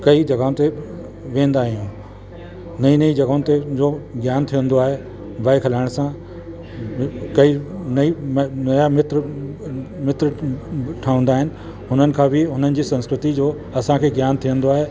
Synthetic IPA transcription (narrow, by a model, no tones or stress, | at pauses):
kɐid͡ʑɐɡaːʊ̃t̪e | ʋẽːnd̪aːɦijũː | nɐinɐid͡ʑɐɡaʊ̃nt̪ed͡ʑoːɡjaːnt̪ʰijə̃nd̪oaːɦe | ʋaːikʰɐlaːɪɽ̃sã | kɐinɐimnɐjamɪt̪ɾ | mɪt̪ɾəʈʰaːʊ̃nd̪aːɦɪnɪ̆ | ɦʊn̤ənɪ̆kʰãbɪɦʊn̤ənɪ̆d͡ʑiːsɐ̃nskɾɪt̪id͡ʑoː | ɐsãkʰeːɡjaːnt̪ʰijə̃nd̪oaːɦeː